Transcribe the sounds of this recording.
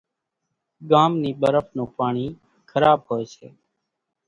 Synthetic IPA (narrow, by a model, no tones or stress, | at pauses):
ɠaːmniːɓəɾəfnũːpaːɳiː | kʰəɾaːɓhoːeːsḛː